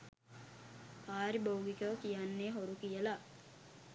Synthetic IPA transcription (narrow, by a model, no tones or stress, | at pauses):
paːɾibowɡikəʋəkijanːeːɦoɾukijəla